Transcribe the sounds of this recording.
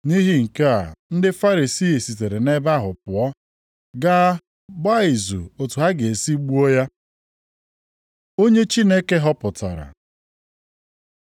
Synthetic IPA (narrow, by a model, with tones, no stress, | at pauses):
ni˦ɦi˦ŋ̩˨ke˦a̰˨n̩˦dɪ˦fa˦ɾi˨si˦i˨si˨t̬e˨ɾe˨ne˦ba˦ɦʊ˨pʊ˨ɔ˦ | ɡa˦ | ɡ͡ba˦i˨zṵ˨o˨tu˨ɦa˦ɡe˨e˨si˦ɡ͡bu˦o˦ja˦ | o˦ɲe˦t͡ʃi˦ne˦ke˦ɦɔ˦pʊ˨ta̰˨ɾa̰˨